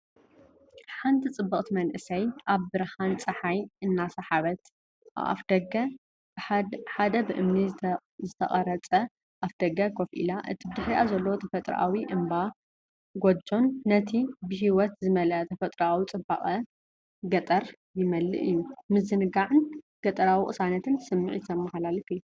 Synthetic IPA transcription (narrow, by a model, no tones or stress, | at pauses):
ħant̪ʰit͡sʼɨbːɐkʼt̪ʰimɐnʔɨsɐjʔaβːɨɾhant͡sʼɐħajɨnːasɐħaβɐt̪ | a̰fd̪ɐɡɐ | ħad̪ɐbɨʔɨmni | zɨt̪ʰɐ̰χʼɐɾɐt͡sʼɐ | ʔafd̪̥ɐɡɐkʰofʔḭlaʔɨ̰t̪ʰibɨd̪ɨħɾiʔazɐlːɐwot̪ʰɐfɐt̪ʼɾ̰ʔa̰wiʔɨmba | ɡod͡ʒo̞nːɐt̪ʰibɨɦiwɔt̪zɨmɐlɐt̪ʰɐfɐt̪ʼɾawit͡sʼɨbaχʼɐ | ɡɐt̪ʼɐɾ | jɪmɐlːɨ̰ʔɨjːumɨzɨnɨɡaʕɨn | ɡ̥ɐt̪ʼɐɾawiχʼɨsanɐt̪ʰɨnsɨmːɨʕit̪ʰɐmːɐxlalifɨ